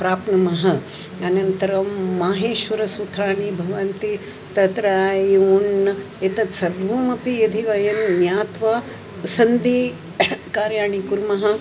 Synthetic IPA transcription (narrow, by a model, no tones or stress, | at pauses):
pɾaːpnɐmɐɦɐ | ɐnɐnt̪ɐɾɐːaːɦeːʃʋɐɾɐsut̪ʰɾaːɳibʱɐʋɐnt̪i | t̪ɐt̪ɾajunːɐ | it̪ɐt̪sɐɾʋumɐpiɐd̪ʱiʋɐjɐnmjaːt̪ʋa | sɐnd̪i | kaːɾjaːɳikuɾmɐɦɐ̆